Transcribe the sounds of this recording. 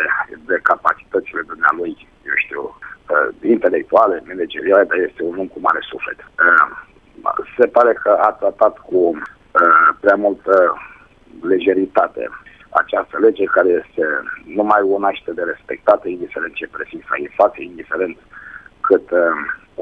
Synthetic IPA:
ed̪ekapat͡ʃi̥t̪ət̪sile̞d̪umnea̰luj | jewʃt̪ḭw | int̪e̞lek̚t̪uale̞meled͡ʒeɾiale̞d̪aje̞st̪eunumkuma̰ɾesufle̞t̪ | se̞paɾe̞kəat̪ɾat̪at̪ku | pɾeamult̪ə | leʒe̞ɾit̪at̪e̞̰ | a̰t͡ʃast̪əle̞d͡ʒekaɾeje̞st̪enumajonaʃt̪ed̪eɾe̞spek̚t̪at̪əind̪ifeɾe̞nt̪t͡ʃepɾezint̪sa̰inflat̪sjeind̪ife̞ɾe̞nt̪kʰɨt̪

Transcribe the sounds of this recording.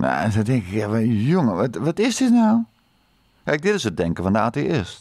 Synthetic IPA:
na̰sɛdɪŋkɪkjaʋɔjʊŋəɔʋɔtɪsdɪtnaw | kajk̚dɪtɪsət̚dɛŋkəfɔndəaːteʔɪst

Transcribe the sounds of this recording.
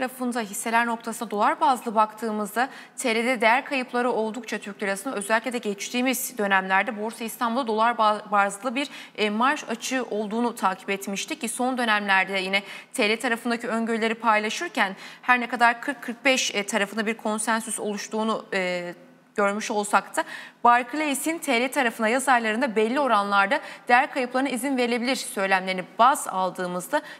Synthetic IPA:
t̪ʰaɾafɯnd̪aɦisːe̞lʲæɾno̞kt̪ʰasɯnad̪o̞lˠaɾbazlˠɯbakt̪ʰɯːmɯzd̪a | t̪ʰeled̪ɛd̪ejæɾkʰajɯplˠaɾɯo̞lˠd̪uk̚t͡ʃʰat̪ʰyɾclʲeɾasɯnaø̞zælʲicʲlʲɛd̪ɛɟɛt͡ʃt̪ʰiːmizd̪ø̞næmlʲæɾd̪ɛbuɾsaist̪ʰanbulˠad̪olˠaɾbazlˠɯbiɾɛmaɾʃat͡ʃʰɯʔo̞lˠd̪uːnut̪ʰaːcʰi̥pɛt̪miʃt̪ʰic̚cːiso̞nd̪ø̞næmlʲæɾd̪ɛjinɛt̪ʰelʲɛt̪ʰaɾafɯnd̪acʰiø̞ɲɟøɾlʲe̞ɾipʰajlˠaʃɯɾcʰænhæɾnɛkad̪aɾkʰɯɾkʰːɯɾk̚bɛʃt̪ʰaɾafɯnd̪abiɾkʰo̞nsænsyso̞lˠuʃt̪ʰuːnu | ɟ̥ø̞ɾmyʃo̞lˠsakt̪ʰabaɾkʰɯlʲˠesint̪ʰelʲɛt̪ʰaɾafɯnajazaɾlˠaɾɯnd̪abɛlʲːio̞ɾanlˠaɾd̪ad̪̥ijæɾkʰajɯplˠaɾɯnaizinve̞ɾe̞bilʲiɾsø̞jlʲæmlʲeɾinibaza̰lˠd̪ɯːmɯzd̪a

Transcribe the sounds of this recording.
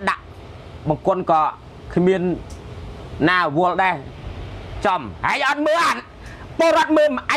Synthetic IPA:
ɗaʔ | ɓɑŋkʊ̆ənkɑː | kʰmiən | aːʋʊəlɗaɛ | t͡ɕɑmhaɛjʔɑt̪̚məːʔat̪̚ | poəlɾŏət̪̚məːmʔa

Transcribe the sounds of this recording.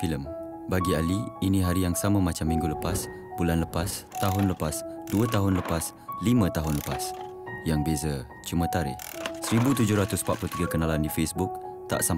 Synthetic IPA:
filəm | baɡialiːnĩɦaɾijaŋsamə̃mat͡ʃamːĩŋɡuləpas | bulanləpast̪aɦʊnləpasduət̪aɦʊnləpas | limə̃t̪aɦʊnləpas | jaŋbezə | t͡ʃumə̃t̪aɾɪ̰hsəɾibut̪ud͡ʒʊhɾat̪ʊspat̪̚plut̪iɡakənalandifesbuk̚t̪a̰ʔsam

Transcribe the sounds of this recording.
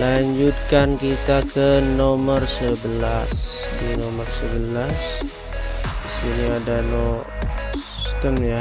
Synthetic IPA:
laɲd͡ʒut̪̚kankit̪akʰənomərsəbəlasdinomərsəbəlas | disiniadano | si̥st̪əmɲa

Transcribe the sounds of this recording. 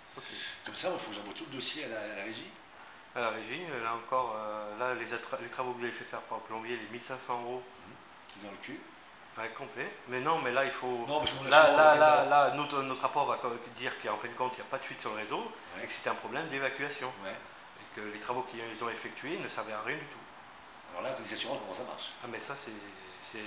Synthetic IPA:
okʰʲekɔmsaɛfokʒɑ̃vwat̪uləd̪osjealaːlaʁeʒi | alaʁeʒiølaɑ̃kɔʁølalezat̪χlet̪χavokvuzavefɛfɛʁpaʁləklɔ̃bjelemilsɛ̃sɑ̃øʁo | kizɔ̃ləkʲe | ɛkɔ̃plɛmɛnɔ̃mɛlailfoñmɛʒlalalalanot̪χənɔt̪χʁapɔʁvakd̪iʁkiɑ̃fɛ̃d̪əkɔ̃t̪iljɔʁɛpad̪əsɥit̪syʁləʁezoʁ | ekə̥se̥t̪ɛɛ̃pχɔblɛmd̪evakʲɥasjɔ̃w | ekəlet̪χavokʲiilzɔ̃efɛk̚t̪ɥenəsɛʁvɛʁaʁjɛ̃d̪yt̪ʰu | alɔ̰ʁlalezasyʁɑ̃kɔ̃kɔ̃sama̰ʁʃamɛsasɛ | sɛ

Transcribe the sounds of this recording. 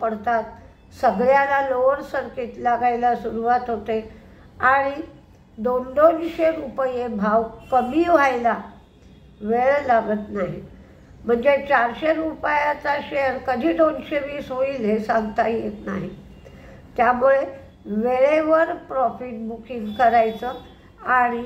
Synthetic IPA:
pəɽt̪at̪ | səɡɭjalaloʋəɽsəɾkit̪laɡajlasuɾuʋat̪ɦot̪e | aɽ̃i | d̪ond̪onɕeɾupəjebʱaʋkəmiːʋ̤ajla | ʋeɭlaɡət̪naɦi | m̤əɳd͡zet͡ɕaɾɕeɾupajat͡saɕejəɾkəd̪ʱiːd̪onɕeʋiːsɦoiːlɦesaŋɡt̪aɦijet̪na̰ɦi | t̪jamuɭe | ʋeɭeʋəɾpɾɔfiʈ̚bukiŋɡkəɾajt͡sə | aɽ̃i

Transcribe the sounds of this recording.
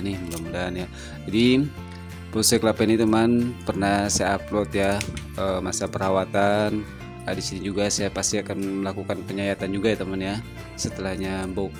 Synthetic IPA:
nɪhmdamudanja | d͡ʒadi | posɛklapɛnit̪umanpərnasajaːplɔt̪jaəmasapəɾawat̪an | adisinid͡ʒuɡasajapast̪iakanməlakukanpəɲajat̪and͡ʒuɡajt̪amanja | sət̪əlahɲabo

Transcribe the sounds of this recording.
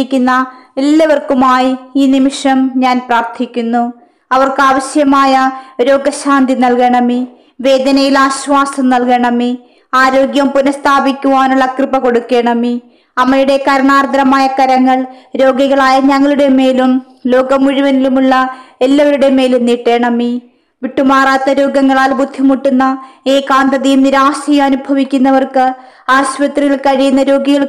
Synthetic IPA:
ikʲːunːɐelːɐʋɐrkumaːjiiːnimiʂɐmɲaːnpraːrt̪ʰikʲːunːu | ɐʋɐrkɨaːʋɐɕjɐmaːjɐɾo̞ːɡɐɕaːnd̪inɐlkeːɳɐmi | ʋe̞ːd̪ɐnɐjilaːɕʋaːsɐmnɐlkeːɳɐmi | aːɾo̞ːɡjɐmpunɐst̪ʰaːbikʲːuʋaːnuɭːɐkrɨpɐko̞ɽukːe̞ːɳɐmi | ɐmːɐjuɽe̞kɐɾɐɳaːrd̪ɐɾɐmaːjɐkɐɾɐŋːɐɭɾo̞ːɡiɣɐɭaːjɐɲɐŋːɐɭuɽe̞me̞ːlum | lo̞ːɡɐmuɻuʋɐnilumuɭːɐelːɐʋɐɾuɽe̞me̞ːlumniʈːe̞ːɳɐmːi | ʋiʈːumaːraːt̪ːɐɾo̞ːɡɐŋːɐɭaːlbud̪ʱːimuʈːunːɐeːkaːnd̪ɐðijumniɾaːsɐjumɐnubʱɐʋikʲːunːɐʋɐrkɨaːɕʋɐt̪riɣɐɭkɐɻijunːɐɾo̞ːɡiɣɐɭ

